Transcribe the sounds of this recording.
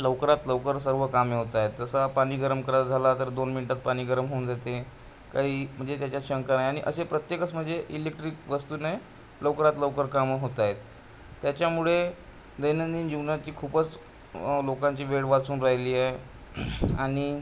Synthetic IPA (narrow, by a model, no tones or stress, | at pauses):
ləʋkɾat̪ləʋkəɾsəɾʋəkameɦot̪ajet̪d͡zəsapaɽ̃iːɡəɾəmkəɾad͡zʱalat̪əɾd̪onminiʈat̪̚paɽ̃iːɡəɾəmɦoːnd͡zʱat̪e | kaɦiːm̤əɳd͡zet̪jat͡ɕjaɕəŋkanajaɽ̃iʔəsepɾət̪jekət͡sm̤əɳd͡zeʔilek̚ʈɾiːkʋəst̪uːnaj | ləʋkəɾat̪ləʋkəɾkamɦot̪aɦet̪̚ː | jat͡ɕjamuɭe | d̪əjnənd̪iːnjuɡnat͡ɕiːkʰuːpət͡s | lokaɲt͡ɕiːʋeɽʋat͡suːnɾaɦiliːa | aɽ̃i